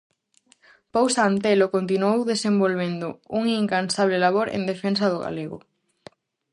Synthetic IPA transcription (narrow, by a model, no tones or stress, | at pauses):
powsant̪elokõnt̪inuowðesẽmbolβend̪ʊuŋiŋkansaβlelaβoɾḛnd̪efens̬ɐðʊɣa̰leɣʊ̰